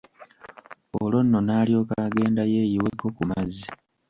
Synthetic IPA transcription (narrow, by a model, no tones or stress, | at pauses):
olo̞nːo̞naːlijo̞ːkaɡe̞ːndaje̞ːjiwekːo̞kumazːi